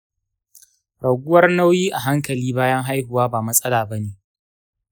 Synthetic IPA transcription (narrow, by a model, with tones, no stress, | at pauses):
ɽɐ˨ɡʷʊ˦wɐ˦rna˦wjiː˦ʔa˨ɦa˦ŋkɐ˨liː˦baː˦jɐ˦ŋɦa˦jɦʊ˨waː˦baː˨mɐ˦sʼɐ˦laː˨bɐ˦neː˨